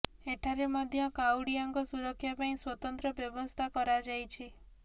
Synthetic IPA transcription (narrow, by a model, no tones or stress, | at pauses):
eʈʰaɾemɔd̪ʱjɔkawɽijaŋkɔsuɾɔkʰːjapaĩswɔt̪ɔnt̪ɾɔbjɔbɔst̪ʰakɔɾad͡ʒajt͡ʃʰi